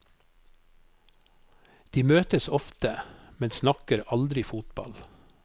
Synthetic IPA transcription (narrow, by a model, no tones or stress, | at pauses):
d̪̥iːmøːt̪əsɔft̪əmɛnsnɑkəɾɑld̪ɾɪfuːt̪bɑ̰l